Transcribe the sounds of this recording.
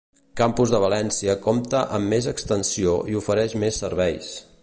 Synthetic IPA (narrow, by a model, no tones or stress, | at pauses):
kampuzðəβ̞əlɛnsiəkɔmt̪əʔəmːezəkst̪ənsioiufəɾɛʃmesːəɾβɛjs